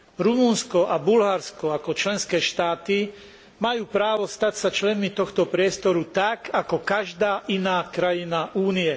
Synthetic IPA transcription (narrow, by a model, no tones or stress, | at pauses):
ɾumunskɔʔabulɦaɾskɔakɔt͡ʃlɛnskɛːʃt̪aːt̪i | majuːpɾaːʋɔst̪acsat͡ʃlɛnmit̪ɔxt̪ɔpɾɪɛst̪ɔɾut̪akakɔkaʒd̪aːʔinaːkɾajinaʔuːniɛ